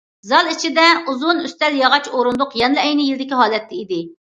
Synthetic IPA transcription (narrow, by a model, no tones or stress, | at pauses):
zɑlˠit͡ʃʰid̪ɛuzunyst̪ɛljɑʁɑt͡ʃoɾund̪ʊqjɛnlˠɛɛjnɪjild̪ɪkʲiɦɑːlˠɛt̪ʰːɪid̪ɪ